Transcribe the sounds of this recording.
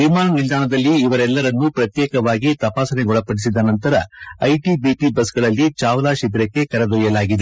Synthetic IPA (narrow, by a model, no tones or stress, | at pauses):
ʋimaːnʋild̪aːɳɐd̪ɐlːiːʋɐɾɛlːɐɾɐnːupɾɐt̪jɛːkɐʋaːɡit̪ɐpaːsɐneɡɔɭɐpːɐɽisid̪ːɐnɐnt̪ɐɾɐɐjʈibiʈibɐsɡɐɭɐlːit͡ʃaːʋɐlaːʃid̪ɾɐkːe̞kɐɾɐd̪ɔjɐlaːɡid̪e